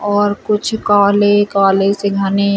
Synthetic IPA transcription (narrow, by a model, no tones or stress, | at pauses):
ɔːɾkʊt͡ʃʰkaːlekaːleseɡʱane